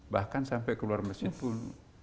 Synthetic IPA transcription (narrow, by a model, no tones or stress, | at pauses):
bahkansampɛkəluarməsihpʊn